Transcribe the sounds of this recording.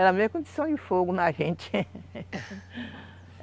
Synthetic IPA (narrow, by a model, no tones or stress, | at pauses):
ɛɾɐmejɐkõd͡ʒisɐ̃w̃d͡ʒɪfoɡʊnɐʒẽt͡ʃɪ̥